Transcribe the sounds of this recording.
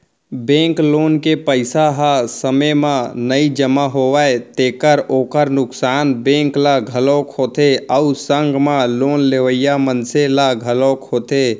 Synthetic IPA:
bẽklonkepəɪsaɦasəməmãnəid͡ʒəmaɦoʋajt̪ekəɾoːkəɾnʊksaːnbẽŋklaɡʱəlokhot̪eəusəŋɡmalonleʋəjamənselaɡʱəloːkhoːt̪e

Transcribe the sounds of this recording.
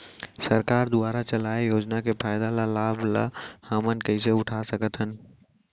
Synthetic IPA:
səɾkaɾd̪ʊaɾat͡ʃəlaejoːd͡ʒnakepʰaɪd̪alalabʱla̰həmənkəɪseʊʈʰasəkət̪ɦən

